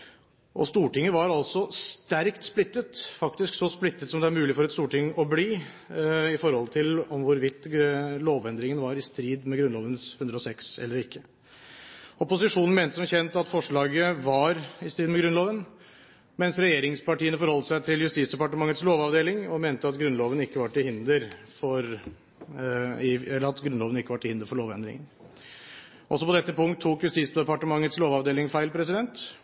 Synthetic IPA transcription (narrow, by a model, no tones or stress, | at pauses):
ʔɔst̪uːʈɪŋːəʋɑɾɑlsɔst̪æɾkt̪splɪt̪ːət̪fɑkt̪ɪsksɔsplɪt̪ːət̪sɔmd̪ɛæɾmʉːlɪfɔɾɛt̪st̪uːʈɪŋːɔbliː | ɪfɔɾhɔlt̪ʰɪlɔmʋʊɾʋɪt̪ːloːʋɛnd̪ɾɪŋənʋɑɾɪst̪ɾiːd̪mɛɡɾʉnloːʋənshʉnd̪ɾəɔsɛksɛ̰lːəɾɪkːə | ɔpʊsɪʂuːnn̩meːnt̪əsɔmçɛnt̪ɑt̪fɔʂɭɑːɡəʋɑɾɪst̪iːd̪mɛɡɾʉnloːʋən | mɛnsɾɛjeːɾɪŋspɑʈiːənəfɔɾhɔlt̪əsæɪt̪ʰɪljʉst̪iːsd̪ɛpɑʈəmɑŋːət̪sloːʋɑʋd̪eːlɪŋɔmeːnt̪əɑt̪ɡɾʉnloːʋənɪkːəʋɑʈːɪhɪnd̪əɾfɔɾ | ɪɛlːəɾɑt̪ɡɾʉnloːʋənɪkːəʋɑʈʰːɪɪnd̪əɾfɔɭoːʋɛnd̪ɾɪ̰ŋə̰n | ʔɔsɔpɔd̪ɛt̪ːəpʊŋkt̪ʰːuːkjʉst̪iːsd̪əpɑʈəmɑŋːət̪sloːʋɑʋd̪eːlɪŋfæɪlpʰɾɛsɪd̪ɛnt̪